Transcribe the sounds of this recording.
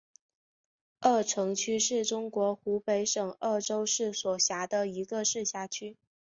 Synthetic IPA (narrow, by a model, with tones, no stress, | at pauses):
ə˥˩ʈ͡ʂʰɤ˧˥ŋt͡ɕʰy˥ʂɻ̩˥˩ʈ͡ʂʊ˥ŋkwɔ˧˥xu˧˥pe˧˥ɪʂɤ˨˩ŋə˥˩ʈ͡ʂo˥ʊʂɻ̩˥˩swɔ˨˩ɕja˧˥d̪ə˧i˧˥ɡə˧ʂɻ̩˥˧ɕja˥˩t͡ɕʰy˥